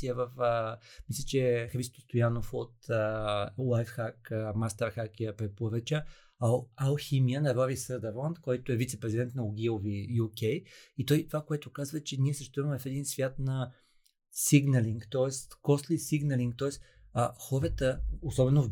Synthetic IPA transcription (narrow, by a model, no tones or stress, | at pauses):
iəvəfəmislʲɛt͡ʃɛxɾist̪o̥st̪ojanofot̪əlˠajfxakəmast̪əɾxakʲɛəpɾɛpoɾət͡ʃə | ɐlˠximiənɐɾɔɾisəd̪əɾlˠant̪kɔjt̪oɛvit̪sɛpɾɛzid̪ɛnt̪nɐʊɡʲilˠovijukʲɛjit̪ɔjt̪ovakoɛt̪okazvət͡ʃɛniɛsɛʃt̪ɾuvəmɛfɛd̪insvʲjat̪nɐ | siɡnəliŋkt̪ɔɛst̪kɔslisiɡnəliŋk̚t̪ɔɛst̪ | xɔɾət̪əosɔbɛnov